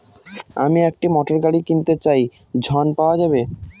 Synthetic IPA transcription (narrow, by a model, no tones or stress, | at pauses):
amiɛk̚ʈimɔʈoɾɡaɽikint̪et͡ɕaj | d͡ʑʱɔnpaoad͡ʑabe